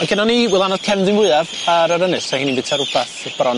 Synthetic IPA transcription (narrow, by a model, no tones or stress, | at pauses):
ɔnkʰɛnɔniwɪlˠanɔðkʰɛmðɪnwɪavaɾaɾənɨsʰahiːninbɪtʰaɾʊbaθb̥aɾɔn